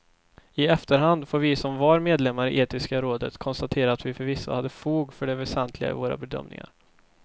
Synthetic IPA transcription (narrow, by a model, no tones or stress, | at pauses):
ɪɛft̪əɾɦand̪foːɾvɪsɔmvɑːɾmeːd̪lɛmːaɾɪʔeːt̪ɪskaɾoːd̪ət̪kʰɔnst̪at̪ʰeːɾaːt̪vɪfœɾvɪsːa̰had̪ːəfuːɡfœɖɛvɛsɛnt̪ʰlɪɡa̰ɪ̰voːɾa̰bɛd̪œ̰mnɪ̰ŋa̰ɾ